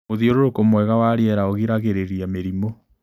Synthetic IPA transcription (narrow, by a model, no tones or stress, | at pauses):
oðioɾoɾokomwɛɣawaɾiɛɾaoɣiɾaɣeɾeɾiameɾimo